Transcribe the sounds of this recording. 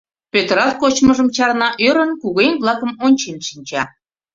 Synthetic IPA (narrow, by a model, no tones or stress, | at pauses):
pøt̪əɾɑt̪̚kot͡ɕməʒəmt͡ɕɑrnɑʔøɾənkuɣenblˠɑkəmonʲt͡ɕenʃinʲt͡ɕɑ